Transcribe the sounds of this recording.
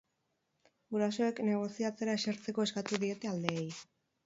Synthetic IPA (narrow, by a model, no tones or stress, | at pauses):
ɡuɾaso̞e̞kne̞ɣ̞o̞siat͡se̞ɾaeseɾt͡se̞ko̞eskat̪uðie̞t̪e̞ald̪eːj